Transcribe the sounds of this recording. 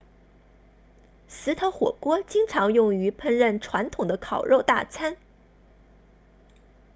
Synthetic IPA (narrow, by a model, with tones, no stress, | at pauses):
sɹ̩˧˥t̪ʰo˧˥ʊxwɔ̰˨˩kwɔ˥t͡ɕi˥ŋʈ͡ʂʰɑ˧˥ŋjʊ˥˩ŋy˧˥pʰə˥˧nɻə˥˩nʈ͡ʂʰwa˧˥nt̪ʰʊ˨˩ŋd̪ə˦kʰɑ˨˩ʊɻo˥˧ʊt̪a̰˥˩t͡sʰa˥n